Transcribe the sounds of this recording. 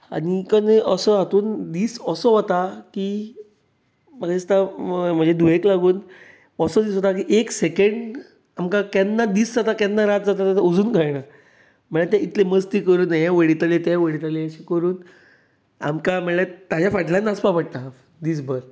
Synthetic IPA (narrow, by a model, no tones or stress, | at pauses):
a̰nikəneʔəsəat̪uːnd̪iːsɔsɔɦɔt̪aki | maist̪am̤əd͡zed̪ujeklaɡuːn | ɔsɔd̪iːsɦot̪ak̬iʔeksekəɳɖ | amkakɛnːad̪iːsd͡zat̪akɛnːaɾat̪̚d͡zat̪at̪at̪aud͡zuːnkəjna | m̤əɭat̪ãit̪leməst̪iːkəɾuːnajɛ̃ʋəɽit̪alet̪ãʋəɽit̪aleəɕikəɾuːn | a̰mkaməɭat̪ad͡ʑjafaʈlãnːaspapəʈ̚ta | d̪iːs̬bəɾ